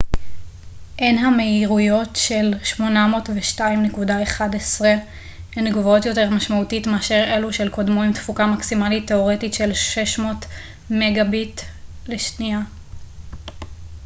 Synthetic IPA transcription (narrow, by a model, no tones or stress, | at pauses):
ʔenɦameiʁujo̞tʃe̞lʃmo̞namo̞ːtveʃtaimnekudaeχadesʁe | enɡvo̞tjo̞teʁmaʃmautitmeaʃeʁe̞luʃe̞lko̞dmo̞imtfukamaksimalitːe̞o̞ʁe̞titʃe̞lʃeʃmo̞t | meɡabitleʃnia